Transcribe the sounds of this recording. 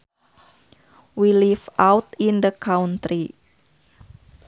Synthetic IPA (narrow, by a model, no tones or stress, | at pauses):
wilifawt̪indəkaunt̪ɾi